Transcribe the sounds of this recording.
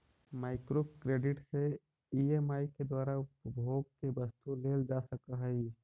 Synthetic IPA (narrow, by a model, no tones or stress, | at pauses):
maːɪkɾokɾeːɖɪʈse | iemaːiked̪waːɾaʊpbʱoːɡ̚kebəst̪uleːld͡ʒasəkaɦɛi